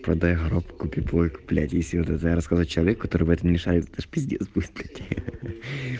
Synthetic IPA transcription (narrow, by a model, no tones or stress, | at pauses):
pɾɐd̪ajɣɐɾopkʊpʲipojʲkʊ̥plʲæ̰tʲjesʲɪot̪ɛt̪əjɾɐskazat͡ɕɪlˠɐekːɐt̪oɾɨbɛt̪əmnʲɪʂaɾʲɪt̪ɛt̪əʂpʲɪzʲdʲespusʲplʲætʲɪ